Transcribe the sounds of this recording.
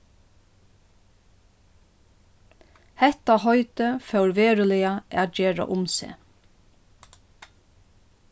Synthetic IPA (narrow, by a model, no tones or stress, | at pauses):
hɛht̪aɦɔʏt̪əfœwɹʋeːɹəlɪaʔæːt̪̚d͡ʒeːɹa̰ʔʊmsḛː